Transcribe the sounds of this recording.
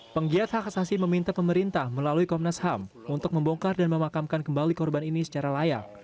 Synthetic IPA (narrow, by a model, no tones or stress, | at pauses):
pəŋɡiat̪̚hakasasiməmint̪apəməɾint̪ahməlaluikɔmnasham | unt̪ʊk̚məmbɔŋkardanməmakamkankəmbalikɔrbaninisə̥t͡ʃaɾalaja̰k̚